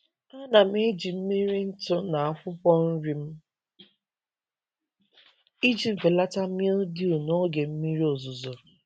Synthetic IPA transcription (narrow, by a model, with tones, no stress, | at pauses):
a˦na˨m̩˦e˦d͡ʒi˨m̩˦mi˦ɾi˦n̩˦tʊ˦na˨a˦kʷʊ˦pɔ˦n̩˦ɾi˦m̩˦ | i˦d͡ʒi˨m̩˨fe˨la˦ta˦mi˦ldi˦u˨no˦ɡe˨m̩˦mi˦ɾi˦o˨zu˨zo˨